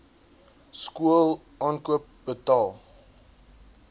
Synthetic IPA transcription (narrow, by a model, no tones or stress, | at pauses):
skuəlˠ | ʔɑːnkuəp̚b̥ətɑːlˠ